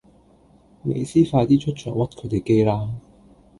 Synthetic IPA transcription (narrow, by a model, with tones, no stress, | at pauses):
mḛ˨˧jsiː˥faː˧t̪iː˥t͡ʃʰɵ˥t̚t͡ʃʰœ̰ː˨˩ŋwɐ˥t̚kʰɵ˨˧jt̪e˨jke˥jlaː˥